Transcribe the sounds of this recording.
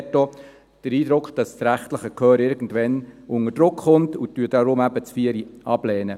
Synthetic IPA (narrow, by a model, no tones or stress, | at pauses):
tːo | d̥əɾiːdɾʊkχd̥ɑssɾæχtləχəkʰøːɾɪɾɡn̩dʋɛnʔʊŋəd̥ɾʊkχʊntutyəd̥ɑɾʊmæb̥ət͡sfiəɾiɑblɛːnə